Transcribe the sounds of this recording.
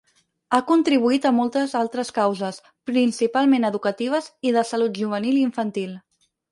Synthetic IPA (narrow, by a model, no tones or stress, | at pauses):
akunt̪ɾiβ̞uit̪əmɔlˠt̪əzalˠt̪ɾəskawzəs | pɾinsipalˠmẽnəðukət̪iβ̞əziðəsəlut̪ʒuβ̞əniliiɱfənt̪ilˠ